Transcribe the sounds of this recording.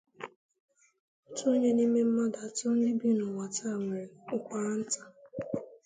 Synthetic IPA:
tu˦ɲe˦ni˦me˦m̩˦ma˦da˨tɔ˦n̩˦dɪ˦bi˦nʊ˨ŋʷa˨ta˦˨ŋʷe˨ɾe˨ʊ˦kʷa˦n̩˦ta˨

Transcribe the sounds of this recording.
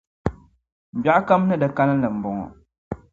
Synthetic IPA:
m̩˨ba˨ʔa˦ka˦m˦nɨ˦dɨ˨ka˦nɨ˦lɨ˨m̩˨bɔ˨ŋɔ̰˨

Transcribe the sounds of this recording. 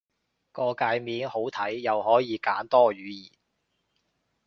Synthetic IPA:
kɔː˧kaː˧jmiː˨˧nho˨˥wt̪ʰɐ˨˥jːɐ˨whɔː˨˥jiː˨˧kaː˨˥nt̪ɔː˥ɥyː˨˥jiː˨˩n

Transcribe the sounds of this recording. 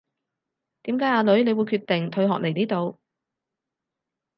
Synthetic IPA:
t̪iː˨˥mkaː˨˥jaː˧lɵ˨˥ɥne˨˧jwu˨˧jkʰyː˧t̪ːɪ˨˩ŋt̪ʰɵ˧ɥɦɔ̰ː˨k̚le˨˩jniː˥t̪o˨˧w

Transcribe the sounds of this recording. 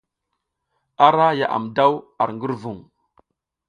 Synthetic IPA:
a˦ɾa˦ja̰˨ʔa̰˨mda˦wa̰˨ɾŋɡə˦ɾvu˨ŋ

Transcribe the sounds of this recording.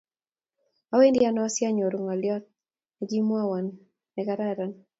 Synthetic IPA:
a˦we˦ndɪa˦nɔ˦a˦sja˦ɲɔ˨ɾu˨ŋa˨ljɔ˦t̚ | ɛɡi˦mwa˦wa˨nː | ɛ˨ka˦ɾa˦ɾan

